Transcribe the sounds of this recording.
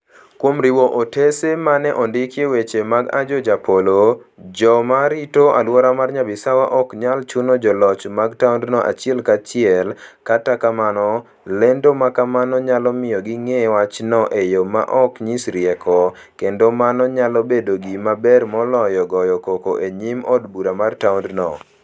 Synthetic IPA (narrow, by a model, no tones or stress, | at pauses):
kwomɾiwoʔotesemanɛʔɔndɪkjewet͡ʃemaɡa̰d͡ʒɔd͡ʒapolod͡ʒɔmaɾitoʔa̰lwɔɾamarɲabɪsawaʔɔkɲalt͡ʃunɔd͡ʒɔlɔt͡ʃmaɡtaʊndnɔʔa̰t͡ʃɪɛlkat͡ʃɪɛlkatakamanɔ | lendomakamanɔɲalɔmɪjɔɡɪŋewat͡ʃnɔʔejoma̰ʔɔkɲisɾɪɛkɔ | kendomanɔɲalɔbedoɡimabɛrmɔlɔjɔɡɔjɔkokoʔeɲimɔdbuɾamartawndnɔ